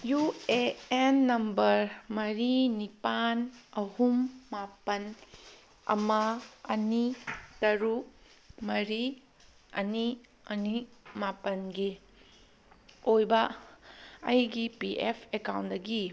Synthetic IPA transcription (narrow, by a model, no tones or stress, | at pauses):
jueenːɐmbɐɾmɐɾinipanɐhumːapɐn | ɐ̰mɐɐnitɐɾu | mɐɾi | ɐ̰ni | ɐnimapɐnɡi | ojbɐ | ɐjɡipiʔepʰekawndɐɡi